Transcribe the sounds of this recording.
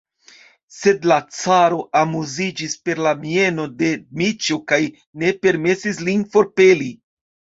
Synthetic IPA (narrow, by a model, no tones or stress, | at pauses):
se̞dlat͡saɾo̞ʔamuzid͡ʒispe̞ɾlamie̞no̞de̞mit͡ʃokaj | ne̞pe̞ɾme̞sislinfo̞ɾpe̞li